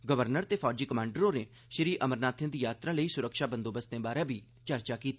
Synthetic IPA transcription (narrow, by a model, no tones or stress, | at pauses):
ɡəʋəɾnəɾt̪eːpʰɔːd͡ʒiːkəmãːɳɖəɾoːneː | ʃɾiːʔəməɾnaːt̪ʰẽːd̪iːjaːt̪ɾãːləiːsʊɾəkʃaːbənd̪oːbəsd̪ẽːbaːɾẽːbʱiː | t͡ʃəɾt͡ʃaːkiːt̪ː